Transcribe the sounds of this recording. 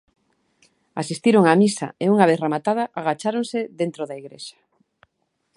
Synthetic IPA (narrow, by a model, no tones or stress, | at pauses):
asist̪iɾoŋamisa̰euŋaβeθremat̪aðaʔaɣat͡ʃaɾoŋsɪðent̪ɾoðaiɣɾḛʃḁ